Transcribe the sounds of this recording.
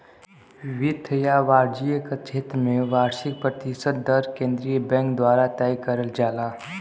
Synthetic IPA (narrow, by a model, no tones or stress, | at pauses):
ʋɪt̪ʰːəjaʋaːɾd͡ʒijəket͡ʃʰeːt̪ɾmẽʋaːɾʃɪk̚pɾət̪ɪsəd̪ːəɾkẽːnd̪ɾijəbɛ̃ːŋkd̪waːɾat̪aːikəɾəld͡ʒaːlaː